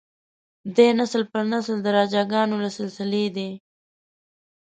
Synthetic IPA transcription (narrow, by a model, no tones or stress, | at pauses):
d̪enaslpəɾnasld̪əɾɑːd͡ʒɑɡɑːnolasɪlsɪled̪e